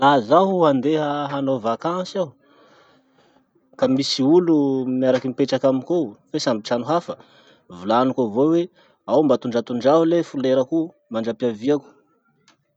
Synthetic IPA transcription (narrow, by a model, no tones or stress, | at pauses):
lazaɦuand̪eɦəɦanovakãsiaw | kamisiulumjaɾakimipeʈ͡ʂakaminkofesambiʈ͡ʂanuɦafə | vulanukovowe | awmbat̪uɳɖ͡ʐat̪uɳɖ͡ʐaɦulefuleɾəku | maɳɖ͡ʐapaviaku̥